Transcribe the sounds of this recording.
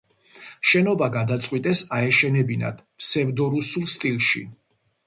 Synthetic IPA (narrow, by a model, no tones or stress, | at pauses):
ʃɛnɔbaɡad̪at̪sʼqʼwit̪ʼɛsaɛʃɛnɛbina̰d̪̥ʰ | psɛvd̪ɔɾusulˠst̪ʼilˠʃḭ